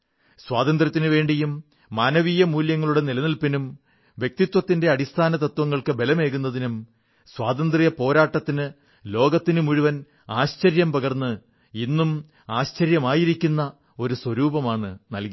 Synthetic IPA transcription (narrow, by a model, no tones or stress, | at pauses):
swaːd̪ɐnd̪rɐt̪ːinɨʋe̞ːɳɖijumː | aːnɐʋiːjɐmuːljɐŋːɐɭuɽe̞nilɐnilpinum | ʋjek̚t̪it̪wɐt̪ːinde̞ɐɽist̪ʰaːnɐt̪ɐt̪ːwɐŋːɐɭkɨbe̞lɐme̞ːɣunːɐðinum | swaːd̪ɐnd̪rijɐpo̞ːɾaːʈːɐt̪ːinɨ | lo̞ːɡɐt̪ːinumuɻuʋɐn | aːɕt͡ɕɐɾjɐmpɐɣɐrnːɨ | inːum | aːɕt͡ɕɐɾjɐmaːjiɾikʲːunːɐ | o̞ɾuswɐɾuːbɐmaːɳɨnɐlki